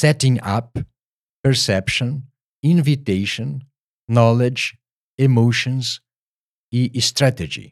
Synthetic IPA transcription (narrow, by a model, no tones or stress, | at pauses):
sɛtɪ̃ŋa̰p | pɛɹsɛpʃɔ̃n | ĩnviteʃɔ̃nː | ɔlɪd͡ʒ | ɪmoʃɔ̃nz | iʔst̪ɾated͡ʒḭ